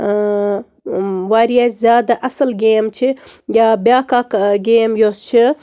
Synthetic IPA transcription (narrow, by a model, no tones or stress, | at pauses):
ʋaːɾijazʲjaːd̪ɐʔɐsɐlɡeːmt͡ʃʰijaːbjaːkaːkɡeːmjost͡ʃʰi